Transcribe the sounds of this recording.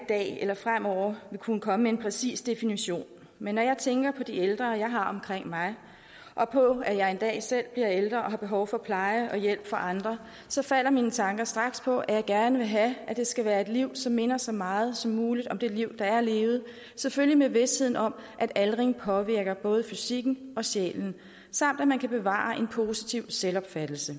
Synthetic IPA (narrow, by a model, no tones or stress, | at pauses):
d̥ɛ̰ːelɐfʁam̰ɒʊ̰ɐʋikʰunəkʰɒ̽məmee̝npʰʁɛsḭːsd̥e̝finiɕo̝̰ːn | menːɒjɑ̈ɪt͡sʰeŋɡ̥ɐpʰɒ̽d̥ield̥ʁɐːjɑ̈ɪɦɑ̈ɒ̽mkʰʁeŋ̰mɑ̈ɪ | ʔɒ̽pʰɔ̽æjɑ̈ɪe̝nd̥ɛ̰ːsel̰b̥liɐeld̥ʁɐɒ̽ɦɑ̈b̥e̝ɦɒʊfɒ̽pʰlɑ̈ɪəɒ̽jel̰b̥fɒ̽ʔɑ̈nd̥ʁɐ | sɒ̽fæl̰ɐmiːnət͡sʰɑ̈ŋɡ̥ɐsd̥ʁɑ̈ɡ̥spʰɒ̽ʔæjɑ̈ɪɡ̥æɐnəʋe̝ɦææd̥e̝sɡ̥æʋæːɐe̝d̥liʊ̰sɒ̽mːe̝nɐsɒ̽mɑ̈ːð̞̩ˠsɒ̽mːuːlid̥ɒ̽md̥e̝liʊ̰d̥ɑ̈æɐle̝ːʊð̩ˠ | seføllimeʋe̝she̝ð̞̰ˠn̩ɒ̽mʔæd̥ælʁeŋpʰɒ̽ʋiɐ̰ɡ̥ɐb̥ɔ̽ːð̞ˠəfysiɡ̥n̩ʔɒ̽ɕḛːln̩ | sɑ̈m̰d̥æmænkʰæb̥e̝ʋɑ̰̈ːʔe̝npʰo̝si̥t͡sʰiʊselɒ̽b̥fæd̥l̩sə